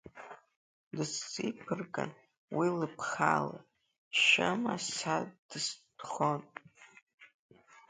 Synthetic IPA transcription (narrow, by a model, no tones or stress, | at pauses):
dɨst͡sʼipʰɨrɡʼa̰n | wilɨpʰχa̰la | ʃamasad̥ɨsd̥χon